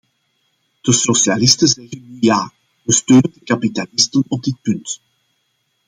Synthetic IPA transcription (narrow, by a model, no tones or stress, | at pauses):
d̥əsosjalɪstənzɛɣənyjaː | ʋəstøːnəndəkapitalɪstənɔb̚dɪt̚pʏnt